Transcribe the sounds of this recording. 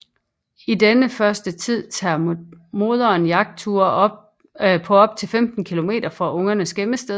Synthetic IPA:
id̥enəfɶɐsd̥ət͡sʰið̞̰ˠt͡sʰɑːmo̝ːð̞ˠɐːnjɑ̈ɡ̥̚d̥̚t͡sʰuɐ̥ | pʰɒ̽ɒ̽b̥̚t͡sʰe̝lfemd̥n̩kʰilo̝me̝̰ːdɾ̥ɐfɒʔɔ̽ŋɐnəsɡ̥eməsd̥eðˠ

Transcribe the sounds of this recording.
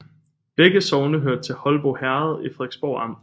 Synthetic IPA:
b̥eɡ̥əsɒʊnəɦøɐ̰d̥̚t͡sʰe̝lhɒ̽lb̥ohæɐð̞ˠifʁeɡ̥sb̥ɒ̰ʊ̰ɑ̈m̰

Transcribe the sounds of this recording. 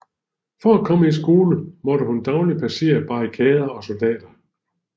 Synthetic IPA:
fɒækʰɒ̽məisɡ̥o̝ːləmɒ̽ɾəhund̥ɑ̈ʊlipʰæse̝̰ːɐb̥ɑ̈ikʰɛːð̞ˠɐɒ̽so̝ld̥ɛ̰ːd̥ɐ

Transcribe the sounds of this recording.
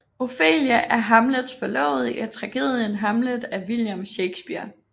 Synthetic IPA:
o̝fḛːljəʔæɐɦɑmləð̥ˠsfɒlɒ̰ʊð̩ˠiʔɒt͡sʰʁɑ̈ɡ̥e̝ːð̞ˠjənɦɑ̈mləðˠæʋiljomɕeɪɡ̥sb̥iɐ̰

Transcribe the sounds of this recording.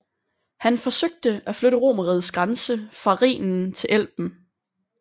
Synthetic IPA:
hænfɒ̽søɡ̥̚d̥əʔæfløɾəʁo̝̰ːmɐʁið̞ˠsɡ̥ʁansəfʁɑ̈ʁḭːnn̩t͡sʰe̝lʔel̰b̥n̩

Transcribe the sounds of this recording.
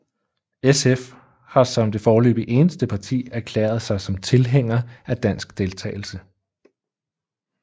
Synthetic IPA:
esef | hɑ̈sɒ̽md̥e̝fɒːlø̰ːb̥iʔe̝ːnəsd̥əpʰɑ̈t͡sʰḭːæɐkʰlɛ̰ːɐð̞̩ˠsɑ̈ɪsɒ̽mt͡sʰe̝lɦeŋ̰ɐæd̥æn̰sɡ̥d̥e̝lt͡sʰɛ̰ːɪl̩sə

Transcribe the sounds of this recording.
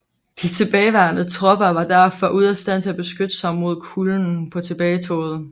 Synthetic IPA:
d̥it͡sʰe̝b̥ɛːɪʋæɐnət͡sʰʁɒ̽b̥ɐʋɑ̈d̥æɐfɒʔuð̞̰ˠæsd̥æð̰ˠt͡sʰe̝æb̥e̝sɡ̥ød̥əsɑ̈ɪmo̝ð̞̰ˠkʰuln̩pʰɒ̽t͡sʰe̝b̥ɛːɪt͡sʰo̰ːð̞̩ˠ

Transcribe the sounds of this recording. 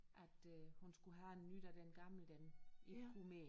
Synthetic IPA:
ʔæd̥hunsɡ̥uɦæenːyd̥æd̥enɡ̥ɑ̈mləd̥æniʁumḛː

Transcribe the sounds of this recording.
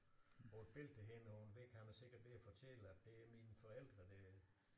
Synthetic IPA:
bɒd̥b̥e̝l̰̥̚eɦenəhunʋeɡ̥hæməse̝ɡ̥ɐd̥ʋe̝æfɒt͡sʰeləæd̥e̝æɐminəfɒ̽el̰d̥ʁɐd̥e

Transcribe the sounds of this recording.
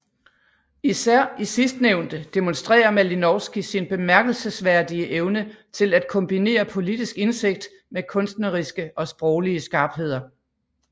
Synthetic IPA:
isæɐ̰isisd̥neʊnd̥əd̥emo̽nsd̥ʁɛ̰ːɐmælinɒʊsɡ̥isinb̥e̝mæɐɡ̥l̩səsʋæɐ̰d̥iəʔeʊnət͡sʰe̝læd̥̚kʰɔ̽mb̥ine̝̰ːɐpʰo̝lid̥isɡ̥e̝nse̝ɡ̥̚d̥ | mekʰɔ̽nsd̥nəʁisɡ̥əʔɒ̽sb̥ʁɒʊliəsɡ̥ɑ̈ːb̥ɦe̝ð̞̰ˠɐ

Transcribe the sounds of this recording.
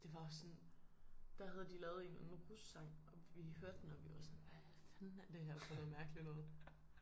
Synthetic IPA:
d̥e̝ʋɑ̈ɒsːɔ̽n | d̥æhæð̞̩ˠəd̥ilɛːð̞̩ˠe̝nænʁussːɑ̈ŋ̰ʔɒ̽ʋihøɐ̰d̥ːenɒʋiʋɑ̈sɔ̽nʋæ | fænæd̥eæhæd̥fɔn̩ˠmæɐɡ̥əlinɔ̽ːð̞̩ˠ

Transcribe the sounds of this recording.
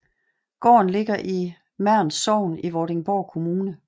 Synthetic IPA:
ɡ̥ɒ̰ːnle̝ɡ̥ɐʔi | mæɐ̰nsɒʊ̰niʋɒːɾe̝ŋb̥ɒːkʰo̝muːnə

